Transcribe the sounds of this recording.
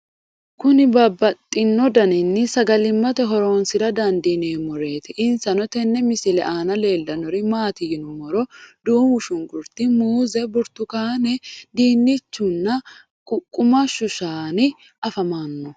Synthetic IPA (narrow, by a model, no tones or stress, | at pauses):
kʊnɪbɐbːɐt̪ʼːɪnːɔd̪ɐnɪnːɪsɐɡɐlɪmːɐt̪ɛɦɔɾo̞ːnsɪɾɐd̪ɐnd̪ineːmɔɾe̞ːt̪ɪʔɪnsɐnɔt̪ɛnːɛmɪsɪlɛ̰ʔaːnɐle̞ːlːɐnɔɾɪmaːt̪ɪjɪnʊmɔɾɔd̪uːmʊʃʊŋɡʊɾt̪ɪmuːzɛbʊɾt̪ʊkaːnɛd̪iːnːɪt͡ʃːʊnːɐ | kʼʊkʼːʊmɐʃʊʃaːnɪ | ʔɐfɐmaːnːɔ